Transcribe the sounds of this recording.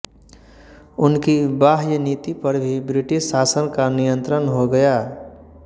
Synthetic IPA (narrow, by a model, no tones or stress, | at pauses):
ʊnkibaːɦjənit̪ipəɾbʱibɾɪʈɪʃsaːsənkanijə̃nt̪ɾənɦoɡəja